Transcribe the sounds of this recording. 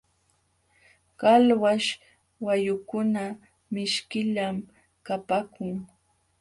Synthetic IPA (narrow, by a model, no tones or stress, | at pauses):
kalwaʃ | wajʊkʊna | mɪʃkɪʎam | kapakʊŋ